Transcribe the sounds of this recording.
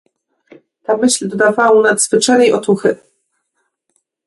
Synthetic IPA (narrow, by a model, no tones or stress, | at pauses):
t̪amɘɕlʲd̪ɔd̪avawunad̪zvɘt͡ʂanɛjʔɔt̪uxɘ